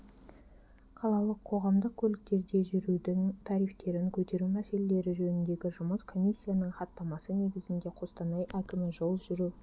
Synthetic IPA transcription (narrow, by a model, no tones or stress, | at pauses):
qʰɑlˠɑlˠəqʰːo̞ʁɑmd̪əq̚kʲʰɵlɪk̚t̪e̞ɾd̪e̞ʒʏɾud̪ɪŋt̪ʰɑɾijft̪e̞ɾɪŋkʲʰɵt̪e̞ɾumæse̞lele̞ɾɪʒɵnɪnd̪e̞ɡʲɪʒʊməskʰo̞mʲisʲːijanəɴχɑt̪ːɑmɑsəne̞ɡʲɪzɪnd̪e̞qʰo̞st̪ɑnɑjʔækʲɪmɪʒo̞lˠʒʏɾuw